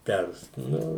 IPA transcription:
ˈpʲɛrs ˈnʊ

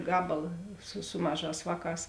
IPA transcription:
ˈɡɑːbɐlˠɐ sʊ ˈsʊ mɐˌʒɑːs ˈʋɑːˌkɑːs

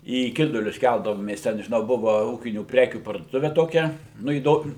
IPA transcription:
iː ˈkʲɪdʊlʲʊs ˈkʲælˠdɐʋoːmʲeːs ˈtʲɛn ʒʲɪˈnɐʊ ˈbʊʋɐ ˈuːkʲɪnʲuː ˈpʲrʲæːkʲuː pɐrduɔˈtʊʋʲɛ toːˈkʲɛ ˈnʊ iːˈdoːm

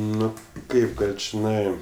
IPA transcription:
ˈnʊ ˈkɐɪp ˈɡɐlʲ t͡ʃʲɪˈnɐɪ

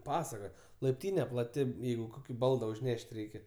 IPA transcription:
ˈpɑːsɐkɐ lˠɐɪpʲˈtʲiːnʲɛ plˠɐˈtʲɪ ˈjɛɪɡʊ ˈkoːkʲɪ ˈbɐlˠdɐ ʊʒʲˈnʲɛʃʲtʲ ˈrʲɛɪkʲɛ

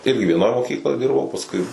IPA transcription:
ˈɪrʲɡʲɪ ʋʲiɛˈnoːj moːˈkʲiːklˠoːj ˈdʲɪrbɐʊ pɐsˈkʊɪ

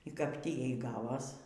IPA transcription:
iː kɐp ˈtʲiː ˈjɛɪ ˈɡɑːʋoːs

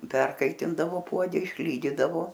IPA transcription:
ˈpʲɛrkɐɪtʲɪndɐʋoː ˈpuɔdʲɛ ɪʃʲˈlʲiːdʲiːdɐʋoː

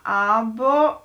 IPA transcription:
ˈɑːˌboː

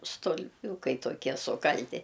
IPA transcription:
stʊlʲˈpʲuːkɐɪ toːˈkʲiɛ sʊˈkɐlʲtʲɪ

